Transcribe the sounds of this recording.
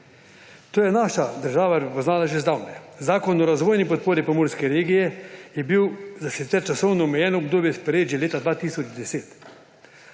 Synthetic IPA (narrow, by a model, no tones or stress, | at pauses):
t̪oːjɛnaːʃad̪əɾʒaːʋapɾɛpɔznaːlaʒezd̪aːwnɛzaːkɔnɔɾazʋoːjnipɔt̪̚poːɾipɔmoːɾskɛɾeːɡijɛjɛbiwzasit̪sɛɾt͡ʃasɔwnɔɔmɛjɛːnɔɔbd̪oːbjɛspɛɾeːd͡ʒjileːt̪ad̪ʋaːt̪iːsɔd͡ʒd̪ɛseːt̪